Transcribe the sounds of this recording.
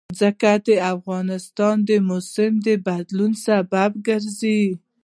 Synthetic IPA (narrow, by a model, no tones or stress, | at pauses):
zəkad̪əafɣɑnɪst̪ɑnd̪əmʊsɪmd̪əbad̪lunsababɡəɾzi